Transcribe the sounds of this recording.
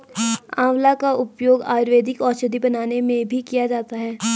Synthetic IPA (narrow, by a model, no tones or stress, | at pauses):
ãːʋlakaʔʊpjoːɡa̰ːɾʋeːd̪ɪkɔːt͡ʃəd̪ibɐnaːnemẽbʱikijad͡ʒaːt̪aɦɛː